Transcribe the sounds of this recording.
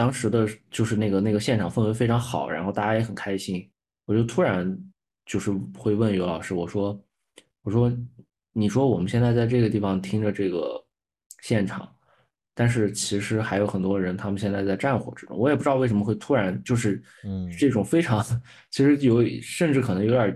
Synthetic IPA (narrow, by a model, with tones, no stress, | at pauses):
t̪ɑ˥ŋʂɻ̩˧˥d̪ə˧t͡ɕjo˥˧ʊʂɻ̩˥˧ne˥˩ɡə˩na˥˩ɡə˩ɕjɛ˥˩nʈ͡ʂʰɑ˨˩ŋfə˥˩nwe˧˥ɪfe˥ɪʈ͡ʂʰɑ˧˥ŋxɑ˨˩˦ʊɻa̰˧˥nxo˥˧ʊt̪a˥˩a˥jɛ˧˥xə˨˩nkʰa˥ɪɕi˥n | wɔ˨˩t͡ɕo˥˩ʊt̪ʰu˥ɻa˧˥n | t͡ɕjo˥˧ʊʂɻ̩˥˧xwe˥˧ɪwə˥˩njo˧˥ʊlɑ˨˩ʊʂɻ̩˧˥wɔ˨˩ʂwɔ˥ | wɔ˨˩ʂwɔ˥ | ni˨˩ʂwɔ˥wɔ˨˩mə˦nɕjnt͡sa˥˧ɪt͡sa˥˧ɪʈ͡ʂɤ˥˩ɡə˩t̪i˥˩fɑ˨˩ŋt̪ʰi˥ŋʈ͡ʂə˨ʈ͡ʂɤ˥˩ɡə̰˩ | ɕjɛ˥˩nʈ͡ʂʰɑ̰˨˩˦ŋ | t̪a˥˧nʂ̬ɻ̩˥˩t͡ɕʰi˧˥ʂɻ̩˧˥xa˧˥ɪjo˧˥ʊxə˨˩nt̪wɔ˥ɻə˧˥nt̪ʰa˥mə˧ɕjɛ˥˧nt͡sa˥˧ɪt͡sa˥˧ɪʈ͡ʂa˥˩nxwɔ̰˨˩ʈ͡ʂɻ̩˥ʈ͡ʂʊ̰˥ŋwɔ˧˥jpu˥ɻɪʂə˧˥mə˧xwe˥˩ɪt̪ʰu˥ɻa˧˥nt͡ɕjo˥˧ʊʂ̬ɻ̩˥˧ | ʈ͡ʂɤ˥˩ʈ͡ʂʊ˨˩ŋfe˥ɪʈ͡ʂʰɑ˧˥ŋd̪ə˧ | t͡ɕʰi˧˥ʂɻ̩˧˥jo˧˥ʊ˨˩ʂə˥˧nʈ͡ʂɻ̩˥˩kʰɤ˨˩nɤ˧˥ŋjo˧˥ʊə˞˨˩